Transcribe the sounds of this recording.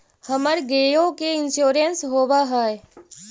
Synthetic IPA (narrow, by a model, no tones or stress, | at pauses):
həməɾɡeːjõkeɪnʃuːɾensɦoːʋaɦɛːe